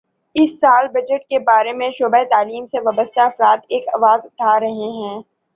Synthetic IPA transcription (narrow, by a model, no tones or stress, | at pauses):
ɪsːaːlbɐd͡ʒəʈ̚kebaːɾemẽʃoːbaet̪aːliːmseʋaːbəst̪aɐfɾaːt̪eːkɐʋaːzʊʈʰaːɾɐɦeɦɛ̃ː